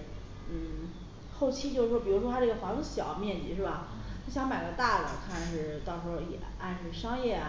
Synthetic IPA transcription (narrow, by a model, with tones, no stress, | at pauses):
n̩˥˩ | xo˥˩ʊt͡ɕʰi˥t͡ɕjo˥˧ʊɻ̩˧˩ʂwɔ˥pi˨˩ɻu˧˥ʂwɔ˥t̪ʰʈ͡ʂɤ˥˩ɡə˩xwɑ˧˥ŋt̪o˧˥ɕjɑ˨˩ʊ˦mjɛ˥˩nt͡ɕi˨˩ʂɻ̩˥˩bɐ˩˥˩ɕjɑ˧˥ŋma˨˩ɪɡə˧t̪a˥˩lə̰˩kʰa˥˩n˩ʂɻ̩˥˩t̪ɑ˥˧ʊʂ̩˧˥˧jɛ̰˨˩ | a˥˧nʂɻ̩˥˩ʂɑ˥ŋjɛ˥˩